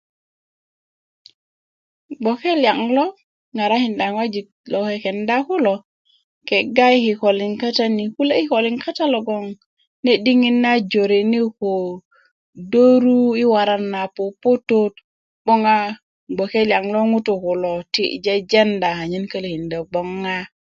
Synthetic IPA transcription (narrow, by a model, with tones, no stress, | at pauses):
ɡ͡bo˨ke˦lija˨ŋlo˦ | ŋa˨ɾa˦hi˨nda˨ŋwa˦d͡ʒi˨ | lo˨ke˨ke˨nda˦ku˦lo˨ | ke˨ɡa˦jhi˨ko˨li˨ŋka˦ta˦ni˨ku˦le˦i˦ko˨li˦ŋka˦ta˦lo˨ɡo˦ŋ | ne˦di˦ŋi˦nːa˦d͡ʒo˨ɾe˨ni˦ho˨ | do˦ɾu˦i˦wa˨ɾa˦nːa˨po˨po˦to˦t̚ | ɓo˦ŋa˦ | ɡ͡bo˨ke˦lja˨ŋlo˦ŋu˦tu˨ku˨lo˨tḭ˦d͡ʒe˦d͡ʒe˦nda˨ha˨ɲi˦nkə˦le˨hi˨nda˨ɡ͡bo˦ŋːa˦